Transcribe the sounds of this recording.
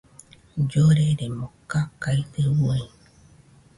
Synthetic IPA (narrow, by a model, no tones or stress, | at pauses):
d͡ʒoɾeɾemokakait̪ɨwo